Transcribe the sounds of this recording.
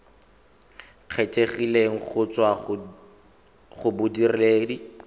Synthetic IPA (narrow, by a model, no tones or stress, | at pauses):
q͡χʰet͡ʃʼeχileŋ̩χʊt͡swa | χʊbʊdirɪleːdi